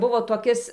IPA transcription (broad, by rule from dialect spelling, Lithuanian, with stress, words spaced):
ˈbʊʋoː toːˈkʲɪs